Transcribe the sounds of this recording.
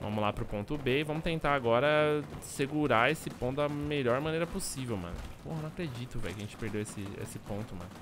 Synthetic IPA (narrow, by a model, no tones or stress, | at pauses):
vɐ̰̃mʊzlapɾʊpõt̪ʊbeivɐ̃mʊt̪ẽnt̪aɾaɡɔɾɐseɡuɾaesɪpõt̪ʊd̪ɐmeʎɔɾmɐ̃nejɾɐposivewmɐ̰̃nʊ̰po̰hɐnɐ̃w̃akɾed͡ʒit̪ʊvɛ̰jkɐʒẽt͡ʃɪ̥peɾd̪ewesɪḛsɪpõnt̪ʊmɐ̰̃nʊ